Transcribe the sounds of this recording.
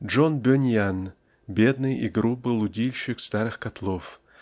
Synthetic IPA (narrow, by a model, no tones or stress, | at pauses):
ʐonbʲønʲjan | bʲed̪nɨjḭɡɾubɨlˠʊdʲilʲɕɪkst̪aɾɨxkɐt̪lˠof